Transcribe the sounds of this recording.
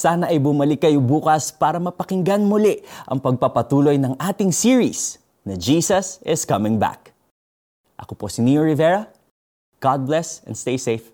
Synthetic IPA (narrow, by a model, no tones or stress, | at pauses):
saːnɐʔɐjbʊmɐlɪkːɐjobuːkɐspaːɾɐmɐpɐkɪŋɡanmʊlɪʔʔɐ̰ŋpɐɡ̚pɐpɐt̪uːlo̞jnɐŋʔaːt̪ɪŋsiɹis | nɐd͡ʒiːsɐsɪskɐmɪ̃ŋba̰k̚ | ʔɐ̰kopo̞sɪnioɹɪvɛɹɐ | ɡ̥ad̪̚blɛsɛ̰nd̪st̪ejsejf